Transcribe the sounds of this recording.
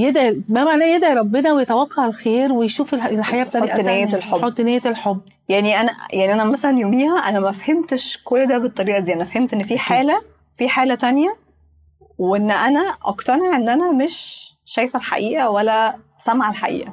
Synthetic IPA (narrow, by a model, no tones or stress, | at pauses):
jed̪ʕimæmaʕnæːjed̪ʕiɾˤɑbːenɑwejet̪æwɑqːɑʕelxeːɾwejʃuːfelelħajæːʔbet̪aɾiːʔnæelħoot̪ːnæːjet̪elħobː | jaʕniʔænæjaʕniʔænæmæsælænjoːmiːhæʔænæmæfhemt̪eʃkolːd̪æːbet̪ˤːɑɾiːʔɑd̪iːʔænæfhemt̪ʔenːfiːħeːlæ | fiːħaːlæt̪ænjæ | weenːʔænæʔɑ̰kt̪ɑneʕʔenːʔænæmeʃ | ʃæjfælħa̰ʔiːʔæwælːæ | sæmʕalħa̰ʔḭːʔæ